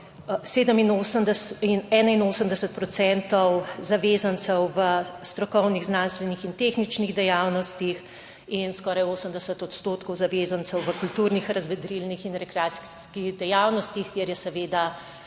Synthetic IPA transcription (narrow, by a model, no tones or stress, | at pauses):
seːd̪əminosəmd̪inɛːnainoːsəmd̪ɛsət̪̚pɾɔt̪sɛnt̪ɔwzaʋeːzant̪sɛwʋəst̪ɾɔkɔwniɣznanst̪ʋɛnixint̪exnit͡ʃniɣd̪ɛjawnɔst̪ix | inskɔːɾajoːsəmd̪ɛsət̪ɔt̪st̪oːt̪kɔwzaʋeːzansɛwʋəkult̪uːɾnixɾɐzʋɛd̪ɾilnixinɾɛkɾɛaːt̪skskiɣd̪ɛjawnɔst̪ixkjɛɾjɛsɛʋeːd̪a